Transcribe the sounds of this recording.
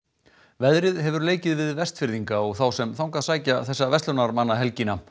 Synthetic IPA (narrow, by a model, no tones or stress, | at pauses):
vɛðɾɪðɦɛvʏɾleːjcɪðvɪðvɛst̪fɪɾðiŋkaɔɣθawsɛmθawŋkaðsaːjcaθɛsːavɛst̪œnaɾmanːaɦɛlcina